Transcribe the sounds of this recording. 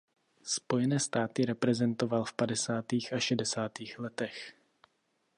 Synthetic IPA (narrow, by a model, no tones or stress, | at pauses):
spo̞jɛnɛːst̪aːt̪ɪɾɛpɾɛzɛnt̪o̞valfpadɛsaːt̪iːxʔaʃɛdɛsaːt̪iːxlɛt̪ɛx